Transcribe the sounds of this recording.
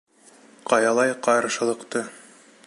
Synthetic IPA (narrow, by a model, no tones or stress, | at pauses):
qɑjɑlˠɑjqɑjɾɑʃɤ̆lˠɤ̆qt̪ɤ